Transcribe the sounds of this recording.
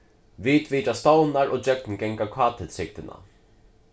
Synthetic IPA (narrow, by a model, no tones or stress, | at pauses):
ʋiːt̪ʋiːt̪ast̪ownaɹʔoːd͡ʒœk̚nɡɛŋkakʰɑːt̪ʰɪt̪sɪk̚t̪ɪna̰